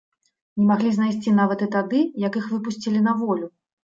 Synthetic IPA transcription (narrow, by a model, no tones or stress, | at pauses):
nʲɛmaɣlʲiznajsʲt͡sʲinavɐt̪ɨt̪ad̪ɨjɐkixvɨpusʲt͡sʲilʲinɐvɔlʲu